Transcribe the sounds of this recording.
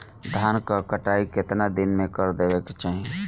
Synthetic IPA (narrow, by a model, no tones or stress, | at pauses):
d̪ʱaːnkakəʈaːikɪt̪nad̪ɪnmẽkəɾd̪eːʋeke̥t͡ʃaːɦie